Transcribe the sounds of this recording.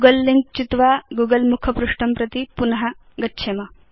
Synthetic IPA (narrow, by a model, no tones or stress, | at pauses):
ɡɐlːiŋk̚t͡ʃit̪ʋaːɡuːɡɐlmukʰɐpɾuʂʈɐmpɾɐt̪ipunɐɦɐ | ɡɐtːʃʰemɐ